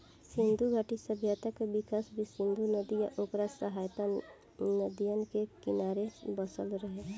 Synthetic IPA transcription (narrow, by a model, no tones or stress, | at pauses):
sɪ̃nd̪ʱuɡʱaʈisəbʱjat̪akebɪkasbʱisɪ̃nd̪unəd̪ija̰ʔoːkɾasəɦaːjt̪a | nəd̪ijənkekɪnaːɾebəsəlɾəɦe